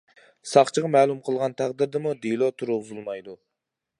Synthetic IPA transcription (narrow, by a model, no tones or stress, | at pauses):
sɑχt͡ʃʰəʁɑmɛːlˠumqʰəlˠʁɑnt̪ʰæʁd̪ɪɾd̪ɪmud̪elˠɔt̪ʰuɾuuzulˠmɑjd̪u